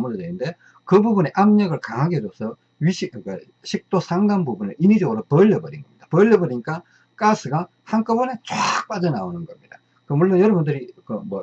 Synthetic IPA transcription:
muɾɯdeninde̞ | kɯbubuneʔamɲʌɡɯɭkaŋɦaɡidosʰʌ | ɥiɕika | ɕʰik̚t͈osʰaŋɡanbubuneinid͡ʑʌɡɯɾopʌʎːʌbʌɾinɡʌmɲid̥apʌʎːʌbʌɾiɲik͈a | k͈asʰɯɡa | hank͈ɯbʌne̞t͡ɕak̚p͈ad͡ʑʌnaonɯnɡʌmɲid̥a | kɯmuɭːonjʌɾʌbundɯɾikɯmʌ

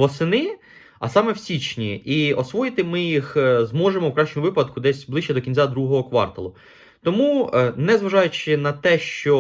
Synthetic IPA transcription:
ʋɔsɪnɪ | ɐ̰sɑmɛwsʲit͡ʃnʲiiɔsʋɔjɪt̪ɪmɪjixzmɔʒemɔwkɾɑʃt͡ʃemʊʋɪpɐd̪kʊd̪ɛsʲblˠɪʃt͡ʃɛd̪ɔkʲinʲt͡sʲad̪ɾuɦɔɦɔkʋɑ̰rt̪ɐ̰lˠʊ | t̪ɔmunɛzʋɐʒɑjʊt͡ʃɪnɐt̪ɛʃt͡ʃɔ

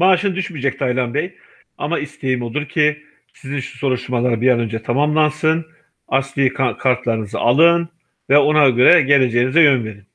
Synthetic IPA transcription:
maːʃɯnd̪yʃmiːd͡ʒɛc̚t̪ʰajlˠanbɛj | a̰maist̪ʰe̞jimo̞lˠuɾcʰi | sizinʃu̥so̞ɾuʃt̪ʰuɾmalˠaɾbijanø̞nd͡ʒɛt̪ʰamamlˠansɯn | ast̪ˠijikʰakʰaɾt̪lˠaɾɯnɯzɯ̰ʔalˠɯn | vɛo̞naɡøɾɛɟe̞lʲe̞d͡ʒe̞jinizɛjø̞nve̞ɾin

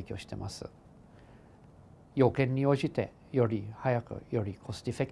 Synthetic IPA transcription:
kʲo̞ːɕi̥t̪e̞ma̰sɨ̰ | jo̞ːkẽ̞ɲ̟ːio̞ːʑit̪e̞ | jo̞ɾʲihajakɯ̟̰jo̞ɾʲikʰo̞sɨ̥t̪ʲifekʲ

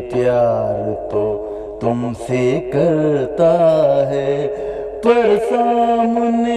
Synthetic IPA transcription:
pjaːɾt̪o | t̪ʊmsekəɾt̪aɦɛ | pəɾsaːməne

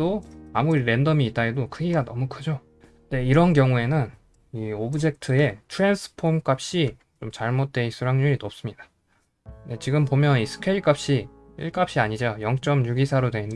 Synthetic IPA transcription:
toamuɾiɾe̞ndʌmiːt͈̚aedokʰɯɡiɡanʌmukʰɯd͡ʑo | de̞iɾʌnkjʌŋue̞nɯn | iobɯd͡ʑe̞k̚tʰɯe̞tʰuɾensʰɯ̥pʰomk͈ap̚ɕ͈i | t͡ɕomt͡ɕaɭmot̚t͈we̞is͈ʰuɾaŋɲuɾinop̚s͈ɯmɲid̥ḁ | de̞t͡ɕiɡɯmpomjʌnisʰɯ̥kʰeiɭk͈ap̚ɕ͈i | ḭɭk͈ap̚ɕ͈iaɲid͡ʑojʌŋt͡ɕ͈ʌmɲuɡisʰaɾodwe̞ind

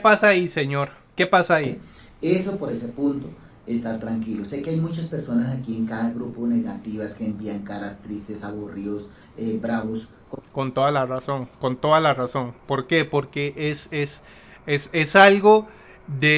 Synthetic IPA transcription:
pasaaːise̞ɲo̞ɾ | ke̞pasaːi | esopo̞ɾe̞se̞punt̪o | est̪aɾt̪ɾaŋkilose̞keajmut͡ʃaspe̞ɾso̞nasakieŋkaðaɣɾupone̞ɣat̪iβaskeːmbiaŋkaɾast̪ɾist̪e̞saβurios | ebɾaβos | kko̞nt̪o̞ðalaraso̞ŋko̞nt̪o̞ðalaraso̞ŋpo̞ɾke̞po̞ɾke̞ʔeses | esesalɣo̞ | ðe

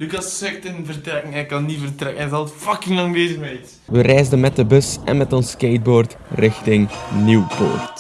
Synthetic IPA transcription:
lykɑsːɪk̚tənvərtrɛkəŋɛkɑnːivərtrɛkənɛzɑlˠtfɑkɪŋlɑŋʋeːzɪxmɛt | ʋərɛjzdənmɛt̚dəbɵsɛ̰nmɛtɔnskeːt̚boːrt | rɪxtɪŋniwpo̰ːrt

